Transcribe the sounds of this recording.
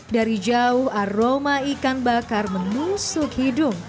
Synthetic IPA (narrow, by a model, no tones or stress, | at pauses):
daɾid͡ʒaʊharomaikanbakarmənusʊkhidʊm